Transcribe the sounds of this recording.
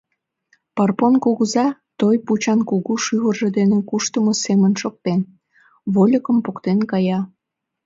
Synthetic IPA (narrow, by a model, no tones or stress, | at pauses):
pɑrponkoɣəzɑt̪ojput͡ɕɑnkoɣuʃyɣərʒed̪enekuʃt̪əmosemənʃok̚t̪en | βolʲəkəmpokt̪enkɑjɑ